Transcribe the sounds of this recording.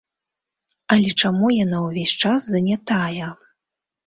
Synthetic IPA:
ɐlʲɛt͡ʂamujanawvʲesʲt͡ʂasːɐnʲat̪ajɛ

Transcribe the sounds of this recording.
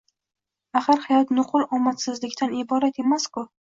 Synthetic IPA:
aχaɾhajɒt̪nʊqʰʊlˠɒmat̪sɪzlɪkʲt̪ʰanɪbɒɾat̪e̞maskʊ

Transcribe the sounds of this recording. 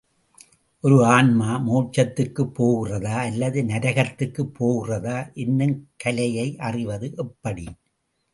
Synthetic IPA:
ʔɔɾɯaːnmaːmuːʈt͡ʃːɐt̪ːɯkːɯpːoːɣɪrɐðaːɐlːɐðɯnɐɾɐɣɐt̪ːɯkːɯpʰːoːɣɪrɐðaːʔɪnːɯmkɐlɐjɐɪʔɐrɪʋɐðɯʔɛpːɐɽi

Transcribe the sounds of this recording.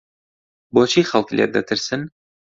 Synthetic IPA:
bɒt͡ɕiχɑlˠkilʲḛɾd̪æt̪ʰɘ̆ɾsɘn

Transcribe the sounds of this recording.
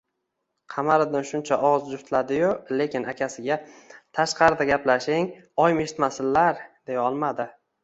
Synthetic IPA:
qʰɑmaɾɪd̪ɪnʃʊnt͡ʃʰaʔɒʁzd͡ʒʊft̪ʰlad̪ɪjʊle̞kʲɪnakʲʰasɪɡʲat̪ʰaʃqʰɑɾɪd̪aɡʲaplaʃɪŋ | ɒjme̞ʃɪ̥t̪masɪlːaɾd̪e̞jɒlˠmad̪ɪ

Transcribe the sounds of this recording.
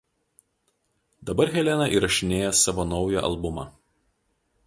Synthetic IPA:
d̪̥ɐbɐɾɣʲɛlʲɛnɐʔiːɾɐʃʲɪnʲeːjɛsɐʋoːnɒʊjɛʔɐ̰lˠbʊmɑ̰

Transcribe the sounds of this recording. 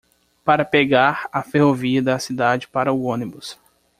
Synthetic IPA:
paɾɐpeɡaɾɐfehoviɐd̪ɐsid̪ad͡ʒɪpaɾɐʊõnibʊs

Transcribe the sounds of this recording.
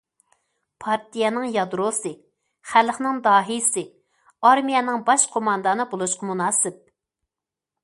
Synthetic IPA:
pʰɑɾt̪ijɛnɪŋjɑd̪ɾosɨ | χælχnɪŋd̪ɑːɦisɪ | ɑɾmijɛnɪŋbɑʃqʰomɑnd̪ɑnɨbolˠuʃqʰɑmunɑːsɪp̚

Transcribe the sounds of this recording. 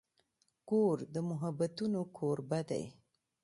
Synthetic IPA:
koɾd̪əmʊɦabat̪unokʰoɾbad̪a̰j

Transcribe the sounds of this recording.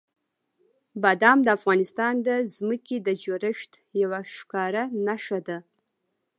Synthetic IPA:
bad̪ɑmd̪əafɣɑnɪst̪ɑnd̪əzməked̪əd͡ʒoɾəʂt̪ | jawaʃkɑɾanaʃad̪a

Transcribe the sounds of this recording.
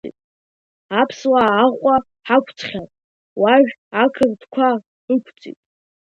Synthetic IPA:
t͡sʼḭtʼ | apʰswaːʁʷʼa | ħakʷʰt͡sʰʼχʲatʼ | waʒᶣakʰɨrd̥kʷʰa | ɨkʷʰt͡sʼḭtʼ

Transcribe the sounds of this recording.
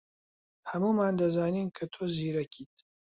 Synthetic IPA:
hɐmuːmaːnd̪ɐzaːniːnkʰɐt̪ʰoːziːɾɐkʰiːt̪̚

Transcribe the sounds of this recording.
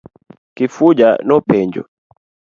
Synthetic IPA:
kifud͡ʒanɔpɛɲd͡ʒɔ̰

